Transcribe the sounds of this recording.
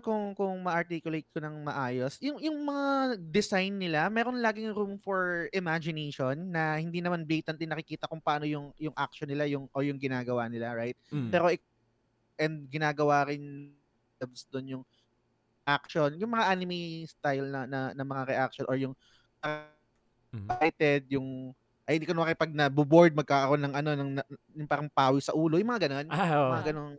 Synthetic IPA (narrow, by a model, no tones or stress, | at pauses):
kʊŋkʊŋmɐʔɐɹt̪ikjʊlejt̪̚konɐŋmɐʔaːjo̞sjʊŋjʊŋmɐŋad̪ɪsajnːɪlamɛːɾonlaːɡɪŋɾumfoɹʔɪmad͡ʒɪnejʃonːɐhɪnd̪inɐmanbejt̪ɐnt̪ɪnɐkɪkiːt̪ɐkʊŋpɐaaːnojʊŋjʊŋʔak̚ʃonɪlajʊŋʔojʊŋɡɪnaːɡɐwanɪlaɹajt̪̚pɛːɾo̞ɪ | ʔɛnd̪̚ɡɪnaːɡɐwaːɾɪn | d̪ɛbsd̪onjʊŋ | ʔak̚ʃo̞njʊŋmɐŋaʔanɪmist̪ajlnɐnɐnɐmɐŋaɾɛʔak̚ʃonʔoɹjʊŋ | nɐ | bajt̪ɛd̪̚jʊŋ | ʔɐjɪikɐnoakɐjpɐɡ̚nɐbʊboɹd̪̚mɐɡ̚kakɐɾo̞nːɐŋʔɐno̞nɐŋɐjʊŋpaːɾɐŋpaːwɪsɐʔuːlojʊŋmɐŋaɡɐno̞nmɐŋaɡɐnon